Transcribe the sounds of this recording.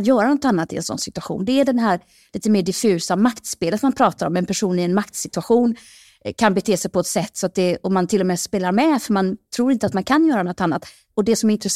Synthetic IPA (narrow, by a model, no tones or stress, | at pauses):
jœːɾanɔt̪anːat̪ɪɛ̰nsɔ̰nsɪt̪ɵaɧṵːnd̪ɛæɖɛnɦæːɾ | liːt̪əmeːɖɪfʉ̟ːsamakt̪speːlət̪manpʰɾɑːt̪aɾɔmɛnpʰæʂuːnɪɛnmak̚t̪sɪt̪ɵaɧuːn | kʰanbɛt̪ʰeːsɛjpɔɛt̪sɛt̪ːsɔat̪̚d̪ɛɔmant̪ʰɪlːɔmɛspeːlaɾmɛfœɾmant̪ʰɾuːɾɪnt̪əat̪mankʰanjœːɾanɔt̪ːanːat̪ | ɔd̪ɛsɔmɛɾɪnt̪ɾɛ